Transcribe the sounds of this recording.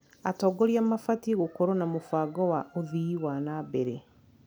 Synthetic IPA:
atɔːɡoɾjamafatiɣokoɾonamofaɡɔwaʔoðiiwanabeɾe

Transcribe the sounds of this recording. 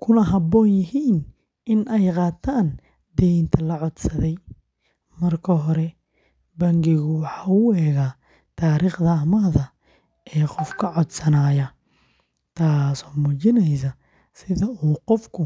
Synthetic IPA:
kʰʊnɐɦɐbɔːnjɪɦiːn | ɪnʔɛjqɑːt̪ʰaːn | d̪̥ɛjnt̪ʰɐlɐʕɔd̪sɐðɛj | mɐrkʰɐɦɔɾɛ | bɐŋɡɪɣʊwɑħɑːʊɛːɣaː | t̪ʰaːɾiːχd̪ɐɐmɐðɐ | ɛːqɔfkʰɐʕɔd̪sɐnaːjɐ | t̪ʰaːsɔːmuːt͡ʃɪnɛjs̬ɐ | sɪðɐuːqɔfkʰʊ

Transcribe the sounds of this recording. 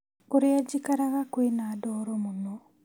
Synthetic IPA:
koɾead͡ʑikaɾaɣakwenaːdɔːɾɔmunɔ

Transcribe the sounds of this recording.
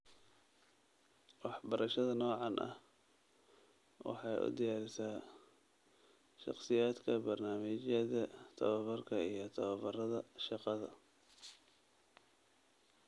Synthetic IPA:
wɑħbɐɾʔɐʃɐðɐnɔːʕɑnʔɐ̰h | wɑ̰ħɑjʔʊ̰d̪ɪjaːɾɪsaː | ʃɑ̰qsɪjaːd̪kʰɐbɐrnaːmɪt͡ʃɐðɐt̪ʰɐ̰βɐβɐrkʰɐijɞt̪ʰɐβɐbɐrɐðɐʃɑqɑðɐ̰

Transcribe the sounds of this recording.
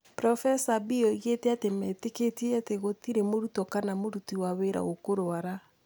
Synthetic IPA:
pɾɔfɛsabiɔiɣetɛatemɛteketieateɣotiɾemoɾutɔkanamoɾutiwaβeɾa̰ɣokoɾoaɾa

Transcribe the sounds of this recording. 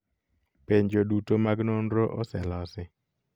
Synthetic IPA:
peɲd͡ʒodutomaɡnonɾoʔɔsɛlɔsɪ

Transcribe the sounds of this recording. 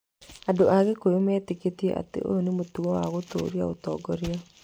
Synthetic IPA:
andoʔaɣekojomɛːteketiɛ̰ʔa̰tḛʔo̰jonemotuwɔwaɣoto̰ːɾiaotɔːɡɔɾea

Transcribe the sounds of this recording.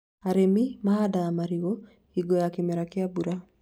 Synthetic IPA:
aɾemimaadaːmaɾiwo | iɡojakemɛɾakeabuɾa

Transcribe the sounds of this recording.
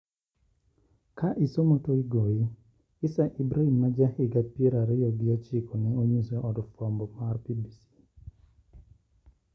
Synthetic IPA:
kaʔisomɔtoiɡoi | isaʔibɾaimːad͡ʒahiɡapiɾaɾɛjɔɡiat͡ʃikɔnɛoɲisɛʔɔdfɔmbɔmaɾpibisi̥

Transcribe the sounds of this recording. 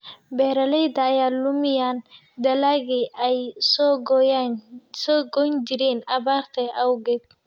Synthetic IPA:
bɛːɾɐlɛjd̪ɐːjaːlʊmɪjaːn | d̪ɐlaɣɪɛjsɔɡ | sɔːɡɔnd͡ʒɪɾɛnɐbaːɾt̪ʰɛɐwɡɛb̚

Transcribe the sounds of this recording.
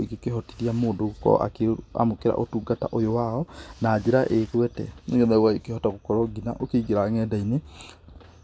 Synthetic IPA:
iɡekeɦɔtiɾiamoːdokɔ̰ʔa̰keoa̰mokeɾa̰ʔotuːɡata̰ʔojowaɔnaːd͡ʑeɾaʔekwɛtɛ̰noŋɛnɛwaekehɔtaɣokɔɾɔɡinaʔokeiɡeɾaŋɛdaine

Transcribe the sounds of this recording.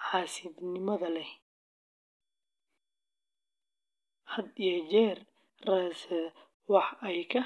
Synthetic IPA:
ʕɑːsɪd̪nɪmɐðɐlɛ | hɐd̪jɛd͡ʒɛr | raːsɛ | wɑħɛjkʰɐ

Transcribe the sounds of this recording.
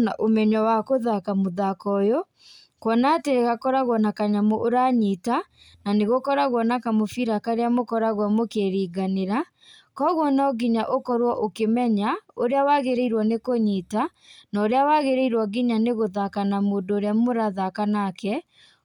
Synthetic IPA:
naʔomɛɲɔwakoðakamoðakɔjɔ | kwɔnateɣakɔɾaɣwɔnakaɲamɔʔoɾaɲita | naneɣokɔɾaɣwɔnakamofiɾakaɾeamokɔɾaɣwamokeɾiːɡaneɾa | kɔɣwɔnaɔɡiɲaʔokɔɾwɔʔokemɛɲaoɾeawaɣeɾeiɾwɔnekoɲita | naoɾeawaɣeɾeiɾwɔɡiɲaneɣoðakanamoːndoːɾeamoɾaðakanakɛ

